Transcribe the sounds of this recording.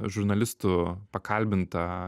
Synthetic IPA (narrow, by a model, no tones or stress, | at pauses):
ʒʊɾnɐlʲɪst̪ʊpɐkʰɐlʲbʲɪnt̪ɐ